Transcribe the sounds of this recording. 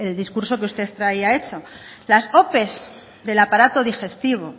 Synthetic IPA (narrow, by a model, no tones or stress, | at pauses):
eld̪iskuɾso̞keust̪e̞θt̪ɾaiae̞t͡ʃo̞ | laso̞pe̞z | ðe̞lapaɾat̪o̞ð̞ixe̞st̪iβ̞o̞